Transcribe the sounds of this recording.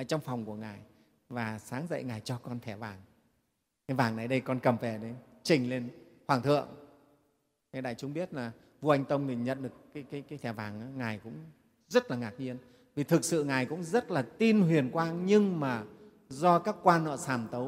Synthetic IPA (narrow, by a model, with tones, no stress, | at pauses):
ʔəː˧˩t͡ɕɔ˧wŋ͡mfɔ˨˩wŋ͡mku˧˩əŋaː˨˩j | vaː˨˩saː˨˦ŋzə̰˧˨jŋaː˨˩jt͡ɕɔ˧kɔ˧nt̪ʰɛ˧˩vaː˨˩ŋ | ɛ˨˦vaː˨˩ŋna˨˩jɗə˧jkɔ˧nkə˨˩mvɛ˧˩ɗe˨˦t͡ɕï˨˩ŋ̟le˧nhwaː˧˩ŋt̪ʰɨ̰˧˨əŋ | kaː˨˦jɗa̰ː˧˨jt͡ɕʊ˨˦ŋ͡mɓi˦˥ət̚laː˨˩ | vu˧ʔa˧jŋ̟t̪ə˧wŋ͡mt̪ʰi˨˩ɲə̰˧˨nɗɨ˨˩əkːaː˨˦jkaː˨˦jkaː˨˦t̪ʰɛ˧˩vaː˨˩ŋʔaː˨˦ŋaː˨˩jkʊ̰˧˥ŋ͡m | zə˦˥t̚laː˨˩ŋaː˨˩k̚ɲi˧ən | vi˨˩t̪ʰɨ˨˩k̚sɨ̰˧˨ŋaː˨˩jkʊ̰˧˥ŋ͡mzə˦˥t̚laː˨˩t̪i˧nɦwi˨˩ənkwaː˧ŋɲɨ˧ŋmaː˨˩ | zɔ˧kaː˦˥kːwaː˧nnɔ̰˧˨saː˧˩mt̪ə˨˦w